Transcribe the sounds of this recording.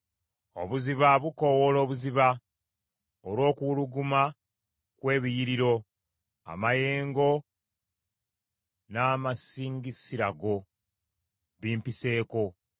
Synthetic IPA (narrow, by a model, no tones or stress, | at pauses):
o̞̰βuziβaβukowolo̞ːβuziβa | olwo̞ːkuluɡuma | kwe̞ːβijiɾiɾo̞ | a̰maje̞ːŋɡo̞ | naːmasiːŋɡisiɾaɡo̞ | βiːmpise̞ːko̞